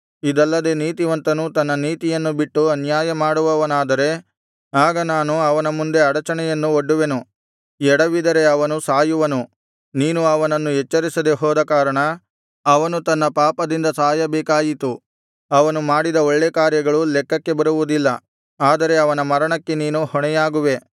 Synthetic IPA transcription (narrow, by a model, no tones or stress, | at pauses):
id̪ɐlːɐd̪e̞niːt̪iʋɐnt̪ɐnut̪ɐnːɐniːt̪ijɐnːubiʈːuɐnjaːjɐmaːɽuʋɐʋɐnaːd̪ɐɾe̞ | aːɡɐnaːnuɐʋɐnɐmund̪e̞ɐɽɐt͡ʃɐɳɛjɐnːuoɖːuʋe̞nu | ɛɽɐʋid̪ɐɾe̞ɐʋɐnusaːjuʋɐnu | niːnuɐʋɐnɐnːuɦɛt͡ʃːɐɾisɐd̪eɦɔːd̪ɐkaːɾɐɳɐ | ɐʋɐnut̪ɐnːɐpaːpɐd̪ind̪ɐsaːjɐbɛːkaːjit̪u | ɐʋɐnumaːɽid̪ɐoɭːekaːɾjɐɡɐɭulɛkːɐkːe̞bɐɾuʋud̪ilːɐ | aːd̪ɐɾe̞ɐʋɐnɐmɐɾɐɳɐkːe̞niːnuhɔɳɛjaːɡuʋe̞